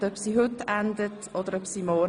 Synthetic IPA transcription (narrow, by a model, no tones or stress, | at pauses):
œpsiːɦʏtænd̪ət | ɔd̪əɾœpsiːmɔ